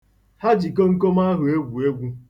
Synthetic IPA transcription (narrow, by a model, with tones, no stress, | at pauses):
ha˦d͡ʒi˨k̬o˦ŋ̩˦ko˦m˦a˦ɦʊ˨e˦ɡʷu˨e˦ɡʷu˦